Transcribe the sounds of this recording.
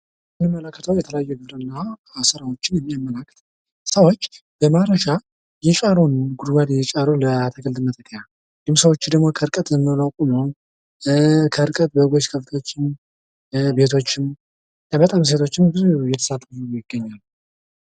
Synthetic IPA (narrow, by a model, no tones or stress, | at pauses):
sɨnɨmːələkːət̪ʰəwjɛt̪ʰələjajːuɡɨbɾɨnːasəɾawot͡ʃːɪnjɛmːijamːəlakːə̥t̪ʰ | səwo̞t͡ʃː | b̥əmaɾəʃa | jɪt͡ʃʼaɾonəɡud̪ɡad̪jɛt͡ʃʼaɾoləat̪ʰəɡɨld̪ɨmət̪ʼəkʰʼːəja | ɡɨmsəwo̞t͡ʃːd̪əɡmo̞kʰəɨɾkʼət̪jɛmːɨlawkʼuməw | kʰəɨɾkʼət̪̚bəɡo̞t͡ʃkʰəft̪ʰwot͡ʃːɪn | be̞t̪ʰo̞t͡ʃːɪn | əbət̪ʼams̬e̞t̪ʰo̞t͡ʃːɪnɡɨɾjɛt̪ʰə̥sat̪ʼːujɪɡːəɲːal